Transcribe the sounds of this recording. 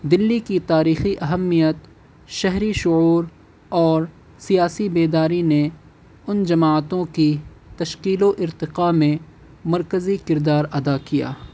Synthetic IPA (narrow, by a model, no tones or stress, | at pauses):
d̪ɪlːikit̪aːɾiːxiʔɐɦəmːijət̪ | ʃɛɦɾiʃʊuːɾ | ɔːɾ | sijaːsibeːd̪aːɾine | ʊnd͡ʒɐmaːt̪õkit̪ɐʃqiːloʔɪɾt̪ɪqamẽ | mɐɾkəzikɪɾd̪aːɾɐd̪akija̰ː